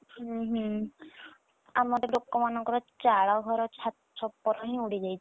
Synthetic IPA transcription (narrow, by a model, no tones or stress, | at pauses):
ɦũɦu | amɔt̪eɾokːɔmanɔŋkɔɾɔt͡ʃaɭawɡʱɔɾɔt͡ʃʰat̪t͡ʃʰɔpːɔɾɔɦiniuɽid͡ʒajt͡ʃʰɔ